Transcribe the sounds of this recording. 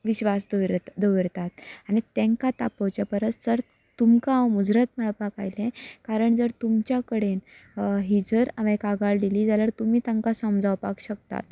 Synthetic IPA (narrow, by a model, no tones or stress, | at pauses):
ʋiɕʋasd̪d̪əʋɾt̪at̪̚aɽ̃it̪ẽŋkat̪apəwt͡ɕjapəɾət͡s̪d͡zəɾ | t̪umkaːwmud͡zɾət̪m̤əɭpaka̰jlẽkaɾəɳd͡zəɾt̪umt͡ɕjakəɽenɦid͡zəɾaʋẽkaɡaɭd̪iliːd͡zaləɾt̪umiːt̪ãŋkasəmd͡zawpakɕək̚t̪a̰t̪